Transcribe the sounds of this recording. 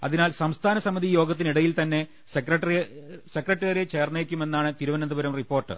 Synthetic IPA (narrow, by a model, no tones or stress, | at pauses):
ɐ̰ðinaːlsɐmst̪ʰaːnɐsɐmɐðijo̞ːɡɐt̪ːiniɽɐjilt̪ɐnːe̞ | sekrɐʈrisekrɐʈːɐɣɐɾet͡ɕe̞ːrneːɐkʲːume̞nːaːɳɨt̪iɾuʋɐnɐnd̪ɐbɐɾɐmripːo̞ːrʈːɨ̰